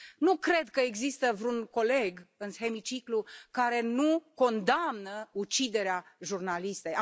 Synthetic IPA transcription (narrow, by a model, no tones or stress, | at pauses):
nukɾe̞d̪kəeɡzist̪əvɾuŋko̞le̞ɡɨnhe̞mit͡ʃiklukaɾe̞nuko̞nd̪amnəut͡ʃid̪e̞ɾeaʒurnalist̪eja